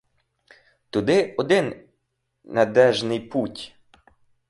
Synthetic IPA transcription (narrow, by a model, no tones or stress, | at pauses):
t̪ʊd̪ɪɔd̪ɪnː | ɐd̪ɛʒnɪjputʲ